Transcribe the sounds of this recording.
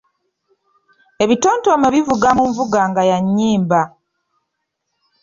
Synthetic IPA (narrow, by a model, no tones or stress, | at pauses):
e̞βito̞ːnto̞meβivuɡamuɱvuɡaːŋɡajaɲːiːmba